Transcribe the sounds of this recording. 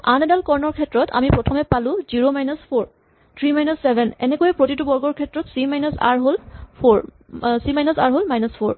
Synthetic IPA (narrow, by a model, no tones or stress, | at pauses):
anɛdalkɔɹnɔɹkʰɛtɹɔta̰mipɹɔtʰɔmɛpalʊ̃ziɹomajnɔspʰoɹ | tʰɹimajnɔsːɛbʱɛnɛ̰nɛkojɛpɹotitubɔɹɡɔɹkʰɛtɹɔtsimajnɔsa̰ɹɦolpʰoɹ | simajnɔsaɹɦolmajnɔspʰoɹ